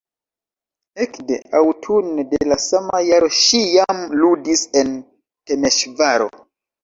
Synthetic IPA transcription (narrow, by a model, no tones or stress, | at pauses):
ekde̞̰awtʰunedelasamajaɾo̞ʃijamludise̞n | te̞me̞ʃvaɾo̞̰